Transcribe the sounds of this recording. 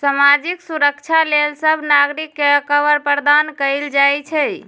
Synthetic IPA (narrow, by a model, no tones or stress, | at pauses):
samad͡ʒiksuɾəkt͡ʃʰalelsəbʱnaɡɾikːekəʋəɾpəɾd̪ankəɪld͡ʒajt͡ʃʰɛ